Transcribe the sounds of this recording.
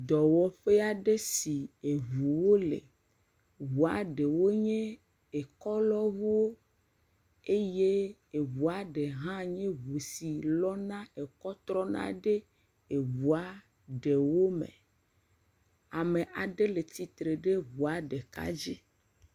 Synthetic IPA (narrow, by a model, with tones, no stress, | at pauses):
d̪ɔ˨wɔ˦ɸe˦a˦ɖe˦si˨e˨βu˨wo˦lḛ˨ | vu˨a˨ɖe˨wo˦ɲẽ˦ | e˨kɔ˦lɔ˦βu˦wo˦ | e˦je˦ | e˨βu˨a˨ɖe˨ɦã˦ɲẽ˦βu˨si˨lɔ˦nã˦e˨kɔ˦t̪ɾɔ˦nã̰˦ɖe˦ | e˨βu˨a˦ | ɖe˨wo˦mḛ̃˨ | a˨me˨ʔa˨ɖe˦le˨t̪i˦t̪ɾe˨ɖe˦βu˨a˨ɖe˨ka̰˦d͡ʑi˦